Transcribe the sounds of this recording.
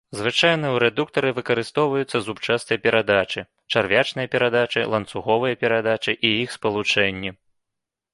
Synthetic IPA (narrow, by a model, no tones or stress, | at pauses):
zvɨt͡ʂajnɨjɛwɾɛd̪uk̚t̪ɐɾɨvɨkɐɾɨst̪ɔwvɐjut̪sːɐzupt͡ʂast̪ɨjɐpʲɛɾad̪at͡ʂɨ | t͡ʂarvʲat͡ʂnɨjɐpʲɛɾad̪at͡ʂɨ̰lˠɐnt̪suɣɔvɨjɐpʲɛɾad̪at͡ʂɨʔijixspɐlˠut͡ʂɛnʲːi